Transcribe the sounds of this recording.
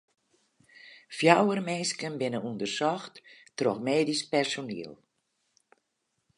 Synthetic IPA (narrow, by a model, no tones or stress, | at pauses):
fjawərmenskənbɪnənundərsɔxttroxmeːdispɛrsonḭəlˠ